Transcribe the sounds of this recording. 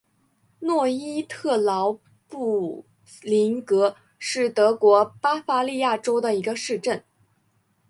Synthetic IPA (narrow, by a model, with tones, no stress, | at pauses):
nwɔ˥˩i˥t̪ʰɤ˥˩lɑ˧˥ʊ | pu˥˩ | li˧˥ŋkɤ˧˥ | ʂɻ̩˥˩t̪ɤ˧˥kwɔ˧˥pa˥fa˧˥li˥˧ja˥˩ʈ͡ʂo˥ʊd̪ə˨i˧˥ɡə˧ʂɻ̩˥˧ʈ͡ʂə˥˩n